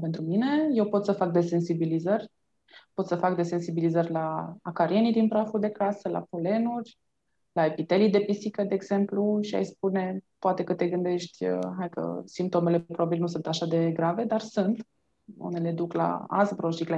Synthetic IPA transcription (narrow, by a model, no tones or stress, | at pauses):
pe̞nt̪ɾumine̞je̞wpo̞t̪səfak̚d̪e̞se̞nsibilizərʲ | po̞t̪səfakd̪e̞se̞nsibilizərʲlaːkaɾie̞nid̪inpɾafuld̪e̞kasəla̰fole̞nurʲ | laepit̪e̞lijd̪e̞pisikəd̪e̞ːɡz̥e̞mpluʃia̰jsp̚une̞poat̪e̞kət̪e̞ɡɨnd̪e̞ʃt̪ʲəɦajkə̰simp̚t̪o̞me̞le̞pɾobabilnusunt̪aʃad̪e̞ɡɾave̞d̪arsunt̪ | ṵne̞le̞d̪ukla̰a̰sbɾoʃikla